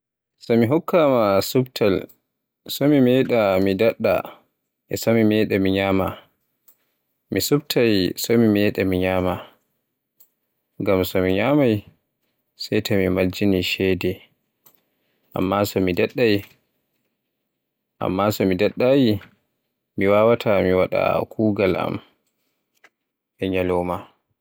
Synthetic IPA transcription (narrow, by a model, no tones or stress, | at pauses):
sɔmiɦɔkʰːamasubtʰal | sɔmimɛɗamidaɗːa̰ | ʔɛsɔmimɛːɗɛmiɲaːma | misubtʰajsɔmimɛɗamiɲaːma | ŋɡamsɔmiɲamaj | sajtʰamimald͡ʒiniʃɛdɛ | ʔa̰mːasɔmidɛɗːaj | ʔa̰mːasɔmidaɗːaji | miwaːwatʰamiwaɗa̰kʰuːɡala̰m | ʔɛɲalɔma